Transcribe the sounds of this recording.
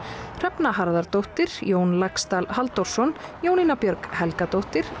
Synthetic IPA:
r̥ɛpnahaɾðaɾ̥t̪owht̪ɪɾ̥joːwnlakst̪alɦalt̪owɾ̥sɔnjoːwninapjœɾkhɛlkat̪owht̪ɪɾ̥

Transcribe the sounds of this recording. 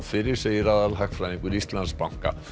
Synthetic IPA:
fɪɾɪɾ̥sejiɾaðalɦakfɾajðĩŋkʏɾist̪lanspawŋ̥ka̰

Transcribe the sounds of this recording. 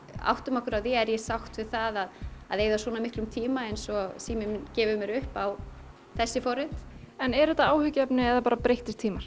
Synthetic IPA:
a̰wht̪ʏmɔhkʏɾawðjɛɛɾjɛsawxt̪vɪ̥θaðaða̰ðeːjðaswɔːnamɪhk̪lʏmt̪ʰiːmaɛjnsɔsiːmɪmncɛːvʏmjɛɾʏhpaw | θɛsːɪfɔɾɪt̪ɛnɛɾɛt̪ːaaːwhʏcɛpnɪɛðapaːɾapɾejht̪ɪ̥t̪ʰːiːmaɾ̥

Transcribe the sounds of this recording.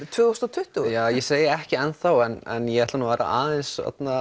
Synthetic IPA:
t̪ʰvʏːθowst̪at̪ʰʏht̪ujaːjɛseːjɪɛhcɪɛnθawɛnɛ̰njɛɛht̪lanuːvaːɾa̰ʔaːðɛnsfɛ̰t̪na

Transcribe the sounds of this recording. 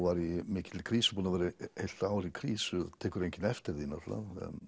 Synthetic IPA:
vaɾimɪːcɪ̥t̪ʰːɪlkʰɾiːsʏ̥puːnavɛːɾɪhejl̥t̪aːwɾikʰɾiːsʏt̪ʰɛːkʏɾejɲcɪnɛft̪ɪɾðina̰ɾt̪la̰ð̰

